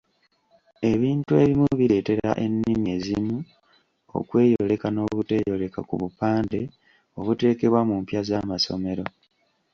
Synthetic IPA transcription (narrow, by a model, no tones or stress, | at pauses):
e̞βiːntue̞̰βimuβiɾe̞ːte̞ɾa̰ʔe̞nːimie̞zimu | o̞̰kwe̞ːjoo̞le̞kano̞βute̞ːjjo̞le̞ka̰kṵβupaːnde̞ | o̞βute̞ːke̞βwamumpjazamaso̞̰me̞ɾo̞